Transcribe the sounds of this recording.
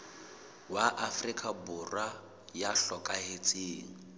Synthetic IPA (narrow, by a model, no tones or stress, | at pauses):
waʔafrikʼabʊrwa | jaɬɔkʼaɦet͡sʼiːŋ̩